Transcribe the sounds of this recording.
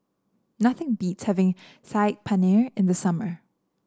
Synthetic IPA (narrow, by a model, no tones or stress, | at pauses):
nʌθɪ̃ŋbitshɛvɪ̃ŋsaɪt̚pʰanɛɹɪ̃nðəsʌmə˞